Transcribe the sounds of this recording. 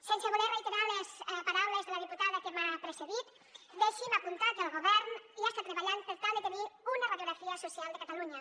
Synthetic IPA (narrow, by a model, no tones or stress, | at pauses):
senseɣuɾerejt̪eɾaɾlespaɾawlezðelaðiput̪aðakemapɾeseðit̪ | d̪eʃimapunt̪at̪elɣoβɛɾniast̪et̪ɾeβaʎanpeɾt̪ald̪et̪eniɾunaraðjoɾafiasosjald̪ekat̪aluɲa